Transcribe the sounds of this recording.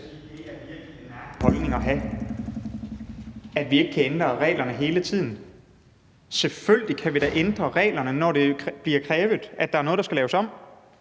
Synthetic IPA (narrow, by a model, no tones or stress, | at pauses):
hɒ̽lne̝ŋɐɦæ | æd̥ʋie̝ɡ̥ə̥kʰæend̥ʁɐʁɛ̰ːlɐnəɦe̝ːlət͡sʰið̰ˠn̩ | selføljlikʰæʋiɾ̥æʔend̥ʁɐʁɛ̰ːlɐnənɒd̥e̝b̥liɐkʰʁɛːʋð̩ˠʔæd̥ɑ̈æɐnɔ̽ðˠdɑsɡ̥ælɛːʊsɒ̽m̰